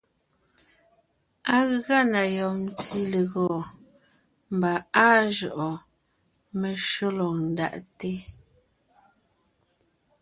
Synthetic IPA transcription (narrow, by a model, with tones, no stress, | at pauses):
a˦ɣa˦na˨jɔ˨˦ti˦le˨ɣɔ˨ | m˨ba˨a˦ʒɔ˨ʔɔ˨ | me˨ʃo˦lɔ˨n̩˨da̰˨ʔte˦